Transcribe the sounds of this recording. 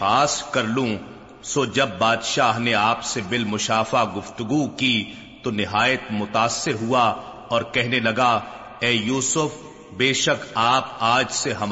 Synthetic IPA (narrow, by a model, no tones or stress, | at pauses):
aːskɐɾlũ | soːd͡ʒɐbːaːd̪ʃaːɦneaːpsebɪlmʊʃaːfaɡʊft̪ʊɡuki | t̪onɪɦaːjət̪mʊt̪aːsːɪɾɦua | ɔːɾkɛɦnelɐɡa | ɛːjuːsʊf | beːʃɐkaːpaːd͡ʒseɦɐm